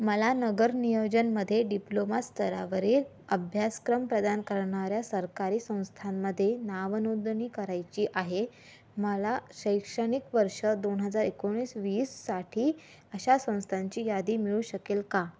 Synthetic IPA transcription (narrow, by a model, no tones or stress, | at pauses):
məlanəɡəɾnijod͡ʑənməd̪ʱːjeɖiplomast̪ʰəɾa̰ʋəɾiːɾ | əbʱjaskɾəmpɾəd̪ankəɾɳaɾjasəɾkaɾiːsə̃w̃st̪ʰamːəd̪ʱːjenaʋənod̪ɳiːkəɾajt͡ɕiːʔaɦe | məlaɕəjkʂəɽ̃ikʋəɾʂəd̪onɦəd͡zaɾikoɳɽ̃iːsʋiːsːaʈʰiː | əɕasə̃w̃st̪ʰaɲt͡ɕiːjad̪iːmiɭuːɕəkelka